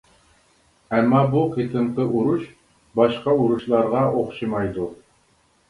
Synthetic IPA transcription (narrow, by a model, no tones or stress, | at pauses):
æmːɑbuqʰet̪ɨɴqəʔuɾuʃ | bɑʃqɑuɾuʃlˠɑɾʁɑʔoχʃɨmɑjd̪u